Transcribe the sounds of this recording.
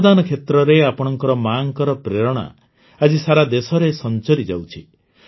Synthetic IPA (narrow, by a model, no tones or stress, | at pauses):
d̪anɔkʰet̪ɾɔɾeapɔɽ̃ɔŋkɔɾɔmaŋkɔɾɔpɾeɾɔɽ̃a̰ | ad͡ʒisaɾad̪esɔɾesɔnt͡ʃɔɾid͡ʒa̰wt͡ʃʰi